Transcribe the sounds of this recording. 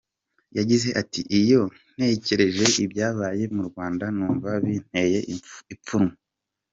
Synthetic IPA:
jaɟize̞ʔatiʔijo̞n̥e̞ceɾe̞ʒe̞ʔibjaːβaːje̞muɾɡwaːndanuːɱvaβin̥e̞je̞ip͡fuɾŋo

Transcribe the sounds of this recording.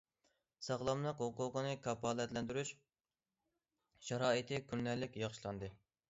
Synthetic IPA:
sɑʁlˠɑmlˠəqhʊqʊːqənɨkʰɑpɑːlˠɛt̪lɛnd̪yɾyʃ | ʃɑɾɑːit̪ʰɨkʰʲynːælːɪkʲjɑχʃlˠɑnd̪ɨ

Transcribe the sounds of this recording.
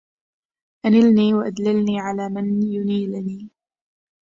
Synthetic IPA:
ʔanɪlniːwaʔad̪lɪlniːʕalaːmanjʊniːlniː

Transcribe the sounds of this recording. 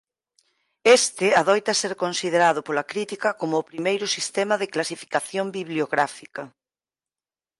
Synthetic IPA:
est̪ɪaðɔjt̪ɐseɾkonsiðeɾað̞ʊpolɐkɾit̪ikɐkomʊːpɾimejɾʊsist̪ɛmɐðɪklasifi̥kaθjombiβljoɣɾafikɐ

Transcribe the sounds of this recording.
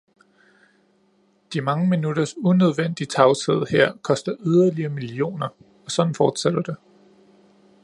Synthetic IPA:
d̥imɑ̈ŋəminuɾ̥ɐsunøð̞ˠʋen̰d̥it͡sʰɑ̈ʊseð̞̰ˠheɐ̰kʰɒ̽sd̥ɐʔyð̞ˠɐliɐːmilio̝̰ːnɐ | ɒ̽sɒ̽d̥n̩fɒːd̥sæd̥ɐd̥e̝

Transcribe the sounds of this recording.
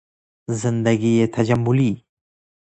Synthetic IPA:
zɪnd̪aɡijet̪ʰɐd͡ʒambʊli

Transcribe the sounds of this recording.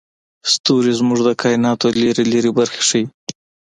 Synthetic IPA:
st̪uɾizmʊʐd̪əkʰɑɪnɑt̪oleɾeleɾebaɾxe̥ʂəi

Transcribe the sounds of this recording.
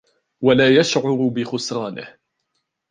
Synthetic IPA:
walaːjaʃʕʊɾbɪxʊsɾɑːnɪ̰h

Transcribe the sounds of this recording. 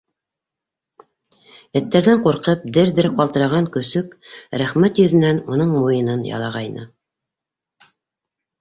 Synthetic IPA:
ɘ̆t̪ːæɾðæɴquɾqɤp̚d̪ɘɾd̪ɘɾqɑlˠt̪ɤ̆ɾɑʁɑŋkɵ̆sɵkɾæχmæt̪jɵ̆ðɘ̆nænunɤɴmujɤ̆nɤnjɑ̰lˠɑʁɑjnɤ̰

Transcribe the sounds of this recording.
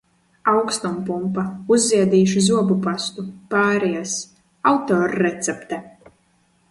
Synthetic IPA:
awkst̪ɔmpumpauzːiɛd̪iːʃuzuɔbupast̪upaːɾɛjas | awt̪ɔːɾːɛt̪sɛpt̪ɛ

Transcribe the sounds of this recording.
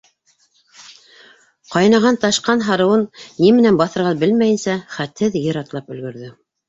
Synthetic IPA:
qɑjnɑʁɑnt̪ɑʃqɑnɦɑɾɤ̆wɤnːimɘ̆nænbɑθɤ̆ɾʁɑbɘlmæjɘ̆nsæχæt̪hɘðjɤ̆ɾɑt̪lˠɑpɵ̆lɡɵ̆ɾðɵ

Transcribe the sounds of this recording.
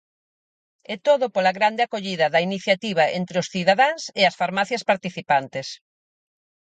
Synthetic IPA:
ɛt̪oðʊpolɐɣɾand̪ɪakoʎiðɐðɐiniθjat̪iβ̞ɐḛnt̪ɾeʊsθiðaðaŋsɪɐsfaɾmaθjɐspaɾt̪iθipant̪ɪs

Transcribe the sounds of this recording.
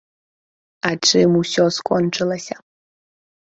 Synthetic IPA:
aʈ͡ʂʰʼɨmusʲoskʼɔnʈ͡ʂʰʼɨlˠɐsʲɐ

